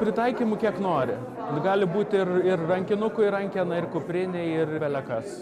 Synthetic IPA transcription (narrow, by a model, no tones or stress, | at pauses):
pʲɾʲɪt̪ɐɪkʲiːmʊkʲiɛknoːɾʲɪ | ɡɑːlʲɪbuːt̪ʲɪrɪrrɐŋʲkʲɪnʊkʊɪɾɐŋʲkʲɛnɐɪrkʊpʲɾʲɪnʲɛɪɪrʋʲɛlʲɛkɐs